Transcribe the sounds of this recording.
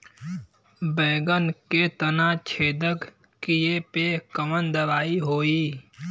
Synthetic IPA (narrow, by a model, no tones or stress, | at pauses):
bɛːɡənket̪ənat͡ʃʰeːd̪ək | kijepekəmənd̪əʋaːiɦoːiː